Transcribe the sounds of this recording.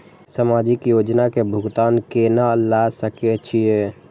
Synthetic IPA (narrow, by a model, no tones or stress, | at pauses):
səmad͡ʒɪkjod͡ʒnakebʱʊɡt̪aːnkenalasəket͡ʃʰije